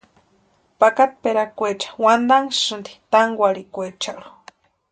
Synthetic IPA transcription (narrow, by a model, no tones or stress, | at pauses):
pakat̪̚peɾakʷet͡ʃḁwand̪aŋsɨnd̪i̥t̪aŋɡʷaɽikʷet͡ʃaɽu̥